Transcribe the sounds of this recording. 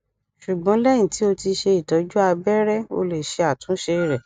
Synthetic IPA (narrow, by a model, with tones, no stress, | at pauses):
ʃu˨ɡ͡bɔ̃˨˦lɛ˦j̃ĩ˦˨ti˨˦o˧ti˧ʃe˧i˨tɔ˨˦d͡ʒu˦a˧bɛ˦ɾɛ˦o̰˧le˨ʃe˧a˨tũ˨˦ʃe˧˨ɾɛ˨